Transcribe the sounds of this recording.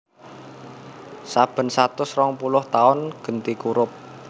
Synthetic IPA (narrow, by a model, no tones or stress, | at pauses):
sab̥ə̤nsat̪ʊsrɔŋpulʊht̪aʊnɡ̥ə̤nt̪ikuɾʊp̚